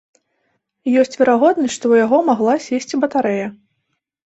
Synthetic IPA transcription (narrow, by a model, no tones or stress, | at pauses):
jɔsʲt͡sʲvʲɛɾaɣɔd̪nɐsʲʂt̪ɔujaɣɔmaɣlˠasʲesʲt͡sʲibɐt̪aɾɛjɐ